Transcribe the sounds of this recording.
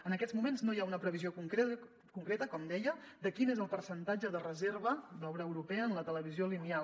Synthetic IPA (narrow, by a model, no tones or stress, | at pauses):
ənəkɛdd͡zzmumenznojaunəpɾəβiziokuŋkɾe | kuŋkɾet̪əkɔmd̪ɛjəd̪əkinezəlˠpəɾsənt̪ad͡ʒəðərəzerβəd̪ɔβɾəːwɾupɛəːnlət̪ələβ̞iziolinial